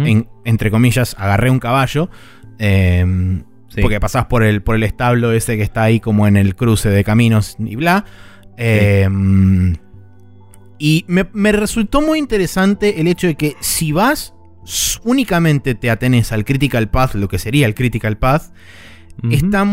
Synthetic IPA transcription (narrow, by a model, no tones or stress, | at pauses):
eŋent̪ɾe̞ko̞miʒasa̰ɣareuŋkaβaʒo̞ | em | oɾkepasaspo̞ɾelpo̞ɾe̞lest̪aβlo̞est̪ekest̪aːiko̞moene̞lkɾuse̞ðe̞kamĩno̞sḭβla | em | imemeresult̪o̞mujint̪e̞ɾesant̪e̞ʔelet͡ʃoð̞e̞ke̞siβas | unikamẽnt̪e̞t̪eat̪enesalkɾit̪̬ikalpaθlo̞ke̞se̞ɾiaelkɾit̪ikalpaθ | est̪a